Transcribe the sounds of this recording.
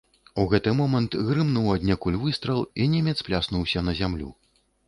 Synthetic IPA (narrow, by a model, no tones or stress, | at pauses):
uɣɛt̪ɨmɔmɐnt̪ɣɾɨmnuwad̪ʲnʲɛkulʲvɨst̪ɾɐlˠinʲɛmʲɛt̪splʲasnuwsʲɐnɐzʲamlʲṵ